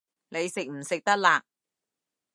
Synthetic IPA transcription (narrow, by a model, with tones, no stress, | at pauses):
ne˨˧jsɪ˨k̚m̩˨˩sɪ˨k̚t̪ɐ˥k̚laː˧